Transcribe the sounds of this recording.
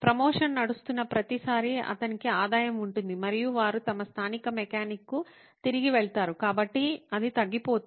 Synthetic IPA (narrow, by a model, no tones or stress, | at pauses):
pɾɐmoːʂɐnnɐɽust̪unːɐpɾɐt̪isaːɾiɐ̰t̪ɐnikiaːd̪aːjɐmuɳʈund̪imɐɾijuʋaːɾut̪ɐmɐst̪ʰaːnikɐmɛkaːnikːu | t̪iɾiɡiʋɛɭt̪aːɾukaːbɐʈːiɐd̪it̪ɐɡːipoːt̪